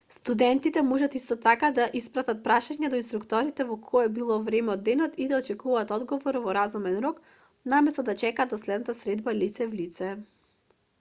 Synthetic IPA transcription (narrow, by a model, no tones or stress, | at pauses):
st̪ud̪ɛnt̪it̪ɛmɔʒat̪ist̪ɔt̪akad̪aʔispɾat̪at̪̚pɾaʃaɲɛd̪ɔinst̪ɾukt̪ɔɾit̪ɛvɔkʰɔɛbilˠɔvɾɛmɛɔd̪ːɛnɔt̪id̪aɔt͡ʃɛkuvaːt̪ɔd̪ɡɔvɔɾvɔɾazumɛnɾɔk | namɛst̪ɔd̪at͡ʃɛkaːd̪ɔslɛd̪nat̪asɾɛd̪balit̪sɛvlit̪sɛ